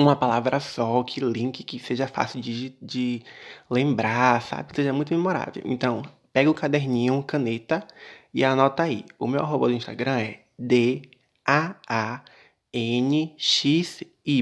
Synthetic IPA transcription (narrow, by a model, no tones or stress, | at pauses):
ũmɐpalavɾʔɐsɔkʰɪlĩkɪkɪseʒɐfa̰sɪwd͡ʒɪd͡ʒɪlẽmbɾaɾsa̰bɪseʒɐmũj̃t̪ʊmemoɾa̰vḛwʔḛ̃nt̪ɐ̃w̃pɛɡʊkad̪eɾnĩɲʊũkɐ̃net̪ɐianɔt̪ɐaḭʊmeɔ̰ɾɦobod̪ʊĩʃt̪aɡɾɐ̃ɛ | d̪e | aa | ẽnɪʃis | i